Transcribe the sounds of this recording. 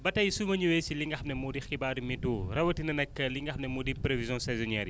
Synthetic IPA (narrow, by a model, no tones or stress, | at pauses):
bɐtɐjisumɐɲuwɛsiliŋɡɐxmnɛmudixkibaːdumituːrɐwɐtinɐnɛkːɐliŋɡɐxmnɛmuːdipɾevizjɔ̃sɛzɔnɛːɾi